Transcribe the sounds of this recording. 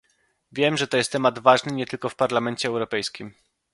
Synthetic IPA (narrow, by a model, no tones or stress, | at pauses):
vʲjɛmʐɛt̪ɔjɛst̪ːɛmad̪vaʐnɘɲɛt̪ɘlkɔfpaɾlamɛɲt͡ɕɛːwɾɔpɛjskʲim